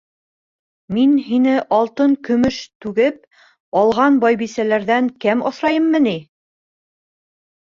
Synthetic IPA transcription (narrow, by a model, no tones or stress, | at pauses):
minɦinɘʔɑlˠt̪ɤŋkɵ̆mɵʃt̪ʉɡɘp̚ | ɑlˠʁɑnbɑjbisælæɾðæŋkæmɑsɾɑjɤmːɤ̆ni